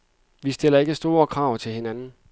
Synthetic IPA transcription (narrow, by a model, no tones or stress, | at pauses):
ʋisd̥e̝l̰ɐe̝ɡ̥əsd̥o̝ːɐkʰʁɑ̈ʊ̰t͡sʰe̝lhe̝nænn̩